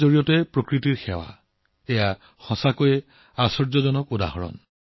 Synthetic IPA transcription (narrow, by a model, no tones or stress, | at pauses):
zoɹijɔtɛpɹokɹitiɹxɛwa̰ | ɛja | xɔ̃sakoj | asɔɹzɔzɔnɔkuda̰ɦɔɹɔ̰n